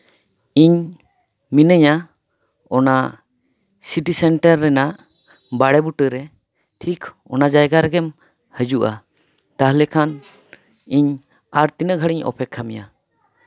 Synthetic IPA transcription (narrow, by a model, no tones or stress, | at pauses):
iɲ | minəɲa | ɔna | siʈisɛɳʈəɾːɛnaʔ | baɽɛbuʈəɾɛ | ʈʰik | ɔ̰nad͡ʒajɡaɾɛɡɛm | həd͡ʒuʔa̰ | t̪aɦlɛkʰan | iɲ | aɾt̪inəɡʱəɽiɲɔ̰pʰɛkʰːamija